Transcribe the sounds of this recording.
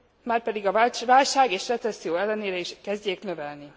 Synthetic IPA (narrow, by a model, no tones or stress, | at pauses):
maːrpɛd̪iɡɒvavaːlʃaːɡeːʃrɛt̪ɛsːijoːɛlːɛneːɾɛiʃkɛzɟeːknø̞vɛlni